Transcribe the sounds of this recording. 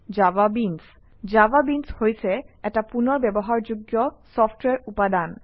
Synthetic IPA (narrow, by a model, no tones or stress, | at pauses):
d͡ʑababins | d͡ʑababinshojt͡ɕʰeɛk̚ʈapunoɾbɛboɦaɾd͡ʑuɡːjosɔfʈweɾupad̪an